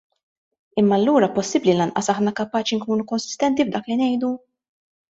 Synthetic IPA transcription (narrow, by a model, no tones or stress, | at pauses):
ɪmːɐlːuːɾɐpɔsːɪblilɐnʔɐsɐħnɐkɐpɐːt͡ʃiŋkuːnukɔnsɪ̥st̪ɛnt̪ivd̪ɐːklinɛjd̪u